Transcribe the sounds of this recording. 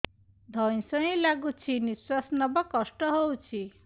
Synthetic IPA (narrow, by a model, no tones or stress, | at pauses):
d̪ʱʌj̃sʌĩlaɡut͡sʰiniswasnʌbɔkɔsʈɔɦowt͡sʰi